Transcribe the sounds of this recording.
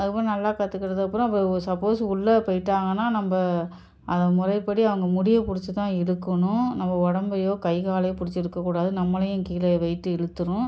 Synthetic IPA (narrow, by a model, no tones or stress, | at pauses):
ɐðɯkɐpːɯɾ̃nɐlːaːkat̪ːɯkːɪɾɐðɯkɐpːɯɾʊ̃ɐp̬ːɐɾsɐpːoːsʊɭːɐpɐjɪʈːaːŋɡɐnːaːnɐmbɐ | ʔɐðɐmʊrɐɪpːɐɽiɐʋɐŋɡɐmʊɽɪjɐpʊɽɪt͡ʃːɯt̪ãːɪɽɯkːɐɳʊ̃nɐmːɐɔɽɐmbɐjoːkɐɪkaːlɐjɐpʊɽɪt͡ʃːɪɾɯkːɐkːuːɽaːðɯnɐmːɐlɐjʊ̃kiːlɐʋɐɪʈːɯɛɻɯt̪ːɯɾʊ̃